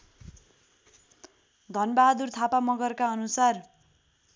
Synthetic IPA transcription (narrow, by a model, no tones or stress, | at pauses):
d̪ʱʌnbaɦad̪urt̪ʰapamʌɡʌrkaʌnusar